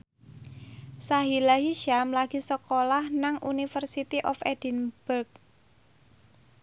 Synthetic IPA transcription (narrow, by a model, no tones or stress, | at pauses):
saɦilaɦiʃamlaɡ̥i̤səkolahnaŋʔunifərsit̪iʔɔfed̥inb̥urk̚